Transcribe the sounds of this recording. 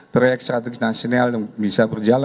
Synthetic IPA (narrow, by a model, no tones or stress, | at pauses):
pɾojɛk̚st̪ɾat̪ɛɡinasionaljaŋbisabərd͡ʒala